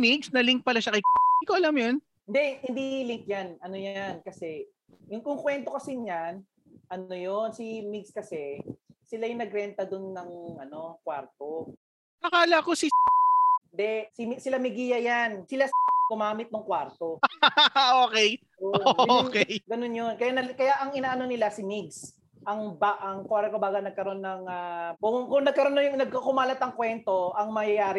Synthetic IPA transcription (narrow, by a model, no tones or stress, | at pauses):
miɡsnɐliŋk̚pɐlaʃɐkɐjk̪ikoʔɐlamjon | hɪnd̪ɛhɪnd̪ilɪŋk̚janɐnojankɐsɛ | jʊŋkʊŋkwɛnt̪o̞kɐsɪnɲan | ʔɐnojonsimiɡskɐsɛ | sɪlajʊŋnɐɡɾɛnt̪ɐd̪ʊnːɐŋʔɐno̞kwaɾt̪o̞ | tɐkaːlako̞si | nd̪ɛsɪmisɪlamɪɡijɐjansɪlaɡ̥ʊmaːmɪt̪̚nʊŋkwaɾt̪o | ʔoːkɛj | ʔoʔookɛjɡɐno̞njonkɐjanɐkɐjaʔɐŋɪnaːʔɐno̞nɪlasɪmiɡs | ʔɐŋbaʔɐŋkwaɾkɐbaːɡɐnɐɡ̚kɐɾo̞nːɐŋaʊkʊŋnɐɡ̚kɐɾonɐjʊŋnɐɡ̚kakʊmaːlɐt̪ɐŋkwɛnt̪o̞ʔɐŋmɐjɐjaːɾɪ